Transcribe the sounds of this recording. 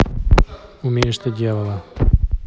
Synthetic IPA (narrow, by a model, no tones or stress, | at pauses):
ʊmʲeɪʂt̪ədʲelˠəlˠə